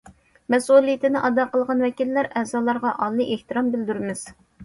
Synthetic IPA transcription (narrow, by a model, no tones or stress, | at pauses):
mɛsulˠijit̪ʰɪnɪʔɑd̪ɑqəlˠʁɑnwɛkʲilːæɾɛzɑːlˠɑɾʁɑʔɑlˠːɨʔeht̪ɨɾɑmbɪld̪yɾmɪz̥